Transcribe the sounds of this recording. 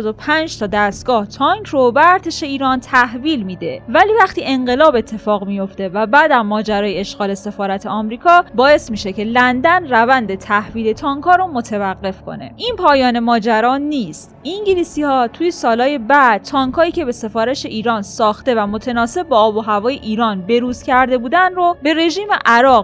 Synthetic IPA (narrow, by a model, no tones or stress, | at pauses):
d̪opʰænd͡ʒt̪ʰɒːd̪æst̪ɡ̥ɒːht̪ʰɒŋkʰɾobeæɾt̪ʰe̞ʃe̞iːɾɒːnt̪ʰæhviːlmiːd̪evæliːvæxt̪iːʔe̞ŋɢe̞lɒːbe̞t̪ʰːe̞fɒːɣmijo̞ft̪e̞væbæːd̪æmmːɒːd͡ʒæɾɒːjeeʃɣɒːle̞se̞fɒːɾæt̪ʰe̞ɒmɾiːkʰɒːbɒːe̞smiːʃece̞lænd̪ænrævænd̪et̪ʰæhviːle̞t̪ʰɒːŋkʰɒːɾomot̪ʰevæɣːe̞fkʰo̞̰ne̞̰ʔinpʰɒːjɒːne̞mɒːd͡ʒæɾɒːniːst̪ʔiŋɟilisiːhɒːt̪ʰuːjesɒːlɒːje̞bæd̪̥̚t̪ʰɒːŋkʰɒːiːcʰe̞be̞se̞fɒːɾeʃe̞ʔiːɾɒːnsɒːxt̪e̞væmo̞t̪ʰe̞nɒːse̞bːɒːboɦævɒːjeʔiːɾɒːnbe̞ɾuːzcʰæɾd̪e̞buːd̪ænrobe̞ɾe̞ʒiːmeʔæɾɒːɣ